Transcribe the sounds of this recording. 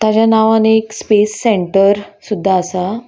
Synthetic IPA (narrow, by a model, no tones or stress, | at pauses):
t̪at͡ɕjanaʋanekspesːeɳʈəɾsud̪ʱːaːsa